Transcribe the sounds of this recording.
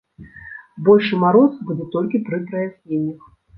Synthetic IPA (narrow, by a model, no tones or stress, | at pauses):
bɔlʲʂɨmaɾɔsbud͡zʲɛt̪ɔlʲkʲit̪ɾɨpɾɐjasʲnʲenʲːix